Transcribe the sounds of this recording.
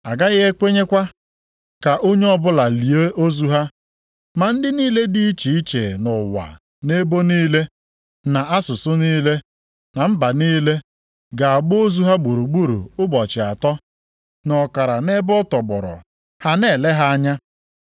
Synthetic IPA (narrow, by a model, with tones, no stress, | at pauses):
a˨ɡa˦ɣe˦kʷe˦ɲe˦kʷa˦ | ka˨ʔo˦ɲe˦ɔ˦bʊ˦la˨li˨e˦ʔo˦zu˦ɦa˦ | ma˨n̩˦dɪ˦niː˦le˦di˦i˦t͡ʃi˨i˦t͡ʃe˨nʊ˨wa̰˨ | ne˦bo˦niː˦le˦ | na˨a˦sʊ˨sʊ˦niː˦le˦ | na˨m̩˦ba˨niː˦le˦ | ɡa˨a˨ɡ͡bʊ˦o˦zu˦ɦa˦ɡ͡bu˨ɾu˨ɡ͡bu˦ɾṵ˨ʊ˦bɔ˨t͡ʃɪ˨a˨tɔ˦ | nɔ˨ka˨ɾa˨ne˦bɔ˦tɔ˨bɔ̰˨ɾɔ̰˨ | ha˦ne˨le˦ɦa˦a˦ɲa˦